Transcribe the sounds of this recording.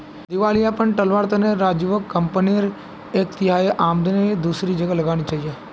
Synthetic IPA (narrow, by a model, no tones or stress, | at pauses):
d̪ɪʋaːliapənʈəlʋaːɾt̪ɐneɾaːd͡ʒuʋəkːəmpəniɾ | ekt̪ɪɦaːiʔaːmd̪ned̪uːsɾid͡ʒəɡalɐɡaːñit͡ʃaːɦijeː